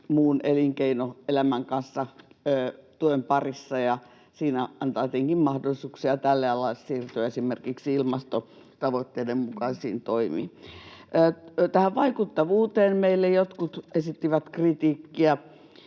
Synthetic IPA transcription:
muːneliŋkeinoelæmæŋkɑnsːɑ | t̪uempɑrisːɑjɑ | siːnæɑnt̪ɑːot̪eŋkimmɑhdolːˑisuːksiɑt̪ælːeɑlɑelsiːrt̪yæesimerkiksiilmɑst̪o | t̪ɑʋot̪ːeːdemmukɑsḭːnt̪oimḭːəːt̪æhæʋʋɑikut̪ːɑʋuːt̪eːnmeilːejot̪kut̪esit̪ːiʋæt̪krit̪iːkːiæ

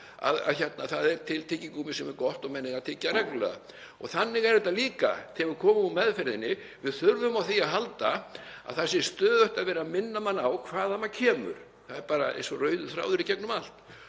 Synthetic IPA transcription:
a̰ða̰ðçɛt̪̚naθaðɛɾt̪ʰɪlt̪ʰɪːciŋkumɪsɛmɛɾkɔht̪ɔɣmɛnːɪɣaðt̪ʰɪːcːarɛkllɛ̰ða̰ | ɔɣθanːɪɣɛɾɛt̪aliːka̰t̪ʰɛvʏɾkʰɔːmʏmumɛðfɛɾðɪnːɪ | vɪðθʏɾvʏmawθiaðɦalt̪aa̰ðθasɪst̪œːðœht̪aðvɛːɾamɪnːamanːawkʰv̥aːðamacʰɛːmʏ̰ɾ̥ | θaðɛɾpaːɾa̰ʔɛ̰jnsɔrœːɥðʏθɾa̰ːwðʏɾicɛknʏmal̥t̪

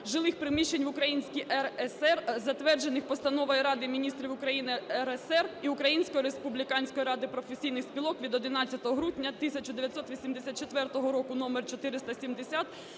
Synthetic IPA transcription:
ʒɪlˠɪxpɾɪmʲiʃt͡ʃːenʲʋʊkɾɐjinʲsʲkʲiʔɛɛsɛrzɐt̪ʋɛrd͡ʒe̞nɪxpɔst̪ɐnɔʋɔjiɾɑd̪ɪmʲinʲist̪ɾʲiʋʊkɾɐjinɪɛɾɛsɛriʊkɾɐjinʲsʲkɔjɾespublʲikɑnʲsʲkɔjɾɑd̪ɪpɾɔfesʲijnɪxsʲpʲilˠɔkʋʲid̪ɔd̪ɪnɑt͡sʲːɐt̪ɔɦɔɦɾudʲnʲːɐt̪ɪsʲɐt͡ʃʊd̪eʋʲjɐt̪sɔt̪ʋʲisʲimd̪esʲat̪t͡ʃet̪ʋɛrt̪ɔɦɔɾɔkʊnɔmert͡ʃɔt̪ɪɾɪst̪ɐsʲimd̪esʲat̪

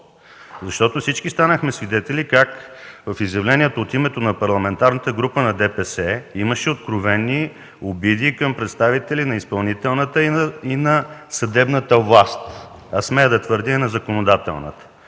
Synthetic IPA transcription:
zɐʃt̪ɔt̪ofsit͡ʃkist̪anəxmɛsvid̪ɛt̪ɛlikakvəfizjɐvlɛniɛt̪oot̪imɛt̪onɐpɐɾlˠɐmɛnt̪aɾnət̪əɡɾupənɐd̪ɛpɛsɛiməʃɛot̪̚kɾovɛnːi | obid̪iːkəmpɾɛt̪st̪avit̪ɛlʲinɐispɐlˠnit̪ɛlˠnət̪əinɐsɐd̪ɛbnət̪əvlˠast̪ | ɐsmɛəd̪ɐt̪vɤɾd̪inɐzɐkonod̪at̪ɛ̰lˠnə̰t̪ə̥

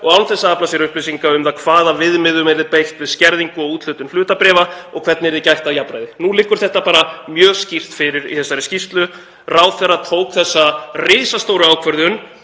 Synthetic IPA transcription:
ɔɣawnθɛsːaaplasɪɾʏhplɪsiŋkaʏmθakʰvaːðavɪðmɪðʏmɛɾðɪpejht̪vɪðscɛɾðiŋkʏɔɣuːt̪lʏːt̪ʏnflʏːt̪apɾɛːvaɔɣkʰvɛɾt̪nɛɾðɪcajht̪aðjapɾajðɪnulɪːkːʏɾ̥θɛht̪apaːɾamjœːscir̥t̪fɪɾɪɾḭθɛsːaɾɪscist̪lʏ | raːwθɛrːat̪ʰoːwkθɛsːarɪːsast̪owɾʏawkʰvœɾðʏn

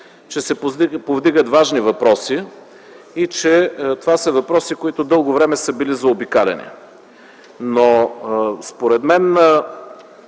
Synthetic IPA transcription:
t͡ʃɛsɛpovd̪iɡət̪vaʒnivɐpɾɔsi | it͡ʃɛt̪ovasɐvɐpɾɔsikoit̪od̪ɤlˠɡovɾɛmɛsəbilizɐobikalʲɛ̰nɛ̰ | no | spoɾɛd̪mɛn

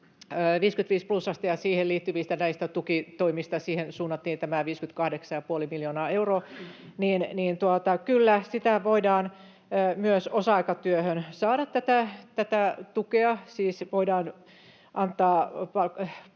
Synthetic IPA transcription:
øːʋiːskyt̪ʋiːsplusːɑst̪ijɑsiːhelliːt̪ːyʋist̪ænæist̪æt̪ukit̪oimist̪ɑsiːhensuːnːɑt̪ːiːnt̪æmæʋiːskynt̪kɑhdeksɑjɑpuolimiljoːnɑːeuroːniːnniːnt̪uɑt̪ɑkylːæsit̪æʋoidɑːnː | myøsosɑikɑt̪yøhønsɑːɾɑt̪tæt̪æt̪æt̪æt̪ukeɑsiːsʋoidɑːn | ʔɑnt̪ːˑɑːpɑ

